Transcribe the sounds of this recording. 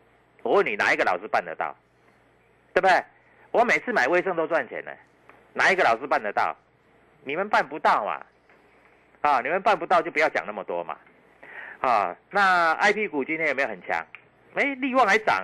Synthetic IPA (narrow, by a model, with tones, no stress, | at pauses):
wɔ˨˦wə˥˩nːi˨˩na̰˨˦i˥ɡə˧˨lɑ˨ʊʂɻ̩˥˦pa˥˩nd̪ə̰˨t̪ɑ̰˥˩ʊ | t̪we˥˩b̪e˥˩ɪ | wɔ˨˧˦me˨˩ɪt͡sʰɹ̩˥˩ma˨ɪwe˥˧ɪs̬ɤ˥˧ŋt̪o˥ʊt͡swa˥˩nt͡ɕʰjɛ̰˨˦nə̰˨˦ | na˨˦i˦˥ɡə˨lɑ˨˩ʊʂ̬ɻ̩˥pa˥˩nd̪ə˨˩t̪ɑ̰˥˩ʊ | ni˨˩mə˨˦npa˥˩˨npu˧˦t̪ɑ˥˨˩ʊma̰˩ | ha˥˩ni˨˩mə˨˦npa˥˩npu˧t̪ɑ˥˧t͡ɕo˥˩ʊpu˧jɑ˥˩t͡ɕja̰˨˩ŋna˥˩mə˨˩t̪wɔ̰˦ma̰˨˩ | ɔ˥˧na˥˧a̰˥˧ɪpʰi˥ku˨t͡ɕi˥nʰjjme˧˥jo˨ə˨˩t͡ɕʰja̰˧˥˦ŋ | e˧˥ɪli˥˧wɑ˥˨˩ŋxa˧˥ɪʈ͡ʂa̰˨˩